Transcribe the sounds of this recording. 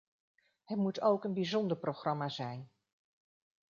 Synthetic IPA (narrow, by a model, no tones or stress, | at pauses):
ɦɛtmutowkənbizɔndəɹprowχrɑmaːzɛjn